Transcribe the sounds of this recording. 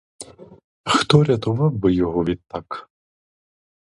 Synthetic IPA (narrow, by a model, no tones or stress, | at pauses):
xt̪ɔɾʲɐt̪ʊʋɑwbɪjɔɦɔʋʲid̪̚t̪ːɑk